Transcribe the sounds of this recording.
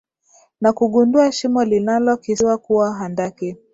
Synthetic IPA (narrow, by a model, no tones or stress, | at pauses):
nakuɠunduaʃimɔlinalɔkiwakuwaɦandaki